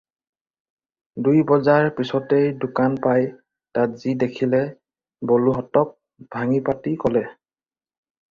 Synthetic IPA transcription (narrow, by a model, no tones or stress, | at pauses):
dujbɔzaɹpisɔtejdʊkanpaj | tatz̥idekʰilɛ | boluɦɔtɔk̚ | b̥ʱaŋipatikɔlɛ